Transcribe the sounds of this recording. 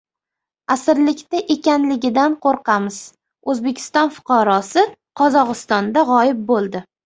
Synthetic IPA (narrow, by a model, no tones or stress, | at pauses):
asɪɾlɪkʲt̪aʔe̞kʲanlɪɡʲɪd̪anqʰoɾqʰɑmɪz̥ | ɵzbe̞kʲʰɪ̥st̪ɒnfʊ̥qʰɑɾɒsɪqʰɒzɒʁɨst̪ɒnd̪aʁɒjɪp̚bolˠd̪ɪ